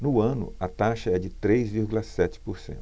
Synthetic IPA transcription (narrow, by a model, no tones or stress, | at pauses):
nʊɐ̃nʊ̰ɐt̪aʃɐɛd͡ʒɪt̪ɾejzviɾɡulɐsɛt͡ʃɪ̥poɾsḛ̃nʊ